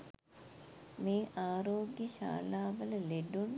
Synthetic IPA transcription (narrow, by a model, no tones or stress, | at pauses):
meːʔaːɾoːɡjəɕa̰ːlaːʋələleɖun